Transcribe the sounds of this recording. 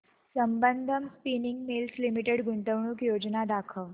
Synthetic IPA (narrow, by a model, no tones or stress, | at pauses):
səmbənd̪ʱəmspiniŋɡmilslimiʈeɽɡuɳʈəʋɳuːkjod͡ʑnad̪akʰəʋ